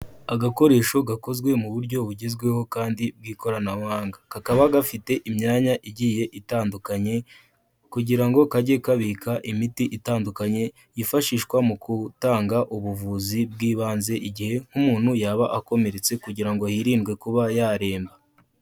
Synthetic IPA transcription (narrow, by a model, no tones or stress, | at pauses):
aɡako̞ɾe̞ːʃo̞ɡako̞zɡwe̞muβuɾɟo̞βuɟizɡwe̞ho̞kaːndib̚ɡiːko̞ɾanawaːŋɡakakaβaɡafite̞ʔimɲaːɲaʔiɟiːje̞ʔitaːndukaɲe̞ | kuɟiɾaŋɡo̞kaɟe̞kaβikaʔimitiʔitaːndukaɲe̞ | jifaʃiːʃkwamukʰutaːŋɡaʔuβuvuzib̚ɡiːβaːnze̞ʔiɟihe̞ŋ̥humuːn̥hujaːβaʔako̞me̞ɾe̞t͡se̞kuɟiɾaŋɡo̞hiɾiːnɡwe̞kuβajaɾe̞ːmba